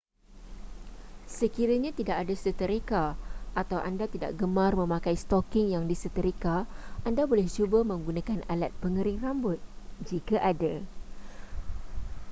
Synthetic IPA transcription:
səkiɾaɲãt̪idaʔadasət̪əɾekaat̪awʔandat̪ida̰ʔɡəmãrmə̃mãkajst̪ɔkɪŋjaŋdisət̪əɾikaʔandabolɛht͡ʃubamə̃ŋɡunãkanalat̪̚pəŋəɾɪŋrambʊt̪̚d͡ʒikaʔada

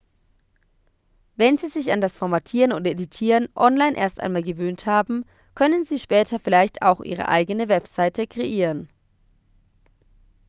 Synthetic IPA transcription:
vɛnziːzɪçandasfɔɐmatʰiːʁənoːndʔeditʰiːʁənʔɔnlaɪnʔḛɐstʔa̰ɪnmaːlɡəvøːnthaːbm̩ | kʰœnənziːʃpɛːtʰɐfɪlaɪçtʰa̰ʊxʔḭːʁ̞ə̰ʔa̰ɪɡənəvɛpz̥aɪtəkʁ̥eʔiːʁən

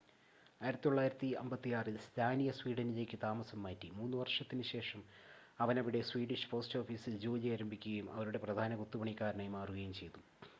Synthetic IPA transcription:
aːjiɾɐt̪ːit̪oɭːaːjiɾɐt̪ːiɐ̰mbɐt̪ːijaːrɨst̪ʰaːnijɐswiːɖɐnile̞ːkʲːɨt̪aːmɐsɐmːaːtːimuːnːɨʋɐrʂɐt̪ːinɨɕe̞ːʂɐmɐʋɐnɐʋiɽe̞swiːɖiʂpo̞ːsto̞ːfiːsild͡ʑoːlaːɾɐmbʱikʲːuɣɐjumɐ̰ʋɐɾuɽe̞prɐd̪ʱaːnɐɡut̪ːupɐɳikːaːɾɐɳɐjmaːruɣɐjumt͡ɕe̞jt̪u

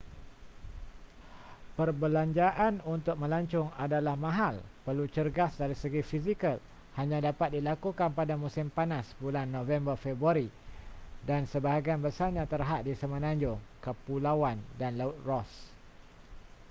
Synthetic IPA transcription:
pərbəlaɲd͡ʒaʔanunt̪ʊk̚mə̃laɲt͡ʃʊŋadalahmãɦalpərlut͡ʃərɡasdaɾisəɡifizikəl | haɲãdapat̪̚dilakukanpadamũsɪmpanasbulanːõvɛmbərfɛbɾuaɾi | dansəbaɦaɡianbəsaɲãt̪ərɦat̪̚disəmə̃nãɲd͡ʒʊŋkəpulawandanlaʊt̪̚rɔs

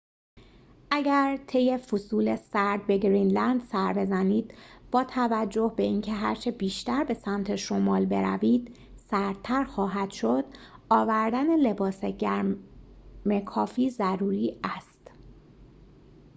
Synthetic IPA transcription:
ʔæɟæɾt̪ʰe̞je̞fosuːlesæɾd̪̚be̞ɡɾiːnlænd̪sæɾbe̞zæniːd̪̥b̥ɒːt̪ʰævæd͡ʒːo̞hbe̞iːncʰe̞ɦæ̰ɾt͡ʃʰe̞biːʃt̪æɾbe̞sæmt̪ʰe̞ʃo̞mɒːlbe̞ɾæ̰viːd̪̥ | sæɾd̪̚t̪ʰæɾxɒːɦæd̪̥ʃo̞d̪̥ɒːvæɾd̪æne̞le̞bɒːseɟæɾ | mekʰɒːfiːzæɾuːɾiːæst̪

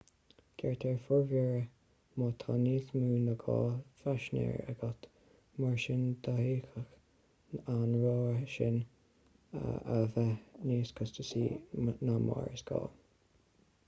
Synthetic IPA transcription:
ɡ̥ɛɹt̪ʰɛɹfʊɹvɛɹə | moːt̪ʰaniːsmuːnəɡɑːfaʃnɛ̰ɹə̰ɡɔt̪ | maɹʃɪnd̪ahiːxəx | anɹoːʃɪn | ə̰vɛniːskʰʊst̪əsiːnama̰ɹəsɡ̥ɑ̰ː

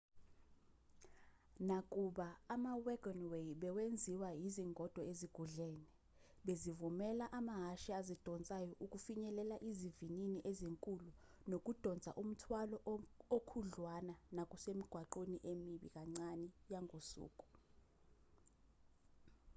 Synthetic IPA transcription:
nakʼuɓaːmawɛɡ̥ɔnwejɓɛwend͡zʱiwajiziŋɡʱɔd̥ʱɔeziɡ̥ʱuɮɛːni | ɓezivumɛlaʔamaɦaʃiazid̥ʱɔnt͡sʼajɔʔuk̬ʼufiɲɛlɛlaʔizivininiʔeziŋkʼulu | nok̬ʼud̥ʱɔnd͡zʱa̰ʔum̩tʰwalɔokʰuɮwananakʼusemiɡ̥ʱwaǃeniʔemiɓḭk̬ʼaŋ͡ǀanijaŋʱosṵːkʼu̥

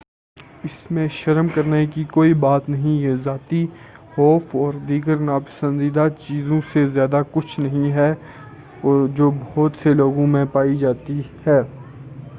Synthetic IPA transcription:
ɪsmẽʃɐɾmkɐɾnekikoːibaːt̪nɐɦĩjezaːt̪i | xɔːfʰɔːɾd̪iːɡəɾnaːpə̥sə̃nd̪id̪at͡ʃiːzõsezjaːd̪akʊt͡ʃʰnɐɦĩɦɛ | ɔd͡ʒoːbɔːt̪seloːɡõmẽpaːid͡ʒaːt̪ihɛː

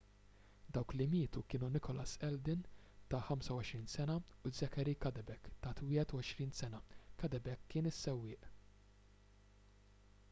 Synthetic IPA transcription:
d̪ɐwklɪmɪːt̪ukɪːnunɪkʰɔlɐsɛld̪ɪn | t̪ɐħɐmsɐwɔʃɾiːnsɛnɐuzɐkɛɾikɐd̪ɛbɛkt̪ɐːt̪wɪːhɛt̪uɔʃɾiːnsɛnɐkɐd̪ɛbɛkːɪːnɪsːɛwːɪːʔ

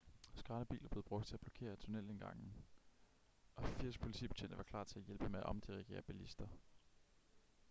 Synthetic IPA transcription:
sɡ̥ʁɑ̈ːnəb̥ḭːlɐb̥le̝ð̩ˠb̥ʁɔ̽ɡ̥̚d̥t͡sʰe̝æb̥lɒ̥kʰe̝̰ːɐt͡sʰo̝nel̰enɡ̥ɑ̈ŋ̰n̩ | ʔɒ̽fiɐ̰s̚pʰo̝li̥t͡sʰḭːb̥e̝̥t͡sʰḛnd̥əʋɑ̈kʰl̥ɑ̰̈ːt͡sʰe̝æjelb̥əmeæʔɒ̽md̥iʁiɡ̥e̝̰ːɐb̥ælisd̥ɐ

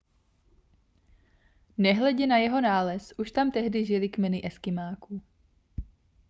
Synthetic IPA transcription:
nɛɦlɛɟɛnajɛɦo̞naːlɛsʔuʃt̪amt̪ɛɦdɪʒɪlɪkmɛnɪʔɛskɪmaːku

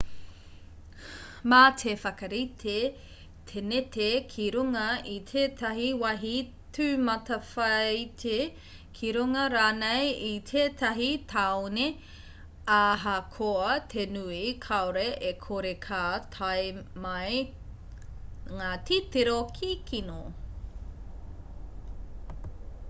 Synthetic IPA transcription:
mat̪ʰefɐkɐɾitʰe | t̪ʰenet̪ekʰiɾuŋɐit̪ʰeːt̪ʰɐɦiwɐɦi | tʰʉmɐtɐfɐjtʰe | kʰiɾuŋɐɾaːnejit̪ʰeːt̪ɐɦitʰaone | aɦɐkʰoɐt̪ʰenuikʰaoɾeʔekʰoɾekʰat̪ʰajmɐj | ŋaːt̪ʰit̪eɾokʰikʰino

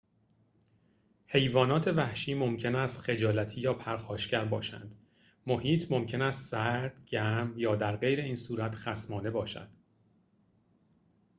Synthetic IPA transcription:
he̞jvɒːnɒːt̪ʰe̞væhʃiːmo̞mcʰe̞næst̪xe̞d͡ʒɒːlæt̪ʰiːjɒːpʰæɾxɒːʃcæɾbɒːʃæ̰nd̪̥ | mo̞hiːt̪ʰmo̞mcʰe̞næst̪sæɾd̪̥ɟæmjɒːd̪æɾɢe̞jɾe̞iːnsuːɾæt̪ʰχæsmɒːne̞bɒːʃæ̰d̪̥

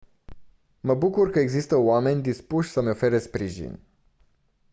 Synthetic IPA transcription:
məbukurkəeɡzist̪əoame̞nʲd̪ispuʃʲsəmeo̞fe̞ɾespɾiʒḭnʲ

